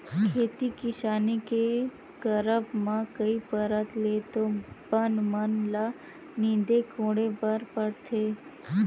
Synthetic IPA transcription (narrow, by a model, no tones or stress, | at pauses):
kʰeːt̪ikɪʃaːnike | kəɾəbmãkəipəɾət̪let̪obənmənla | nĩːd̪ekʰõːɽebəɾpəɽt̪ʰeː